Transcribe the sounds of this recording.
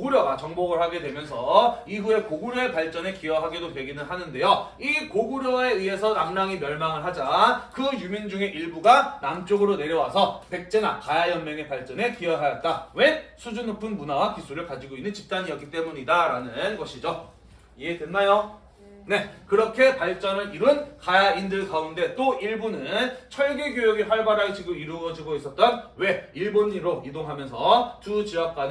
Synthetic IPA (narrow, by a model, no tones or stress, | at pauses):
koɡuɾjʌɡat͡ɕʌŋboɡɯɭhaɡe̞dwe̞mjʌns̬ʰʌiɸue̞koɡuɾjoe̞paɭt͡ɕ͈ʌne̞kiʌɦaɡidopweɡinɯɭɦanɯnde̞jo | ikoɡuɾjʌe̞iɦe̞sʰʌnaŋnaŋimjʌɭmaŋɯɭɦad͡ʑakɯjumjʌnd͡ʑuŋe̞ʔiɭbuɡanamt͡ɕ͈oɡɯɾone̞ɾjʌwasʰʌpe̞k̚t͡ɕ͈enakajajʌnmjʌŋe̞paɭt͡ɕ͈ʌne̞kiʌɦajʌt̚t͈awe̞sʰud͡ʑunopʰɯnmunawakisʰuɾɯɭkad͡ʑiɡoinːɯnt͡ɕip̚t͈aɲijʌk͈it͈e̞muɲidaɾanɯnɡʌɕʰid͡ʑo | iedwe̞nːajo | ne̞kɯɾʌkʰe̞paɭt͡ɕ͈ʌnɯɾiɾɯnkajaindɯɭkaunde̞t͈oiɭbunɯnt͡ɕʰʌɭɡe̞ɡjojʌɡiɸwaɭbaɾaɡid͡ʑiɡoiɾɯʌd͡ʑiɡois͈ʌt̚t͈ʌnwe̞iɭboɲːiɾoidoŋɦamjʌnsʰʌtut͡ɕiʌk̚k͈wa